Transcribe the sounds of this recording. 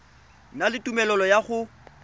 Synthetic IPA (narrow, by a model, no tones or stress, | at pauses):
nalɪtʼumɛlɔlɔjaχʊ